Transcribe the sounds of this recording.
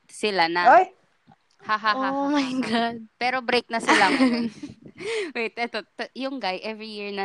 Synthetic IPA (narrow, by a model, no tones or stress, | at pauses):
sɪlanɐoj | haɦahoamajɡad̪̚pɛːɾobɾejk̚nɐsɪla | wejt̪ʔɛt̪ot̪jʊŋɡajʔɛvɹijiɹnɐ